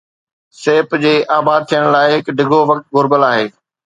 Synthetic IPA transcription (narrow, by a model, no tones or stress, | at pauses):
seːpd͡ʑeːʔaːbaːd̪̚t̪ʰijəɽ̃laːɪɦɪkɖʱɪɡʱoʋɐk̚t̪̚ɡʊɾbəlaːɦeː